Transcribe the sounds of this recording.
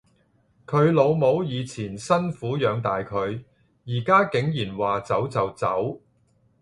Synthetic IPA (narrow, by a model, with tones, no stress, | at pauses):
kʰɵ˨˧ɥlo˨˧wmo˨˧wjiː˨˧t͡sʰiː˨˩nsɐ˥nfuː˨˥jœː˨˧ŋt̪aː˨jkʰɵ˨˧ɥ | jiː˨˩kaː˥kɪ˨˥ŋjiː˨˩nwaː˨t͡sɐ˨˥wt͡sɐ˨wt͡sɐ̰˨˥w